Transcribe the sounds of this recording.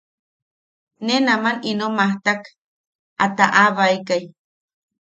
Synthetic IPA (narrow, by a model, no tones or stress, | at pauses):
nenamaninomaht̪ak | at̪aʔaβaikaj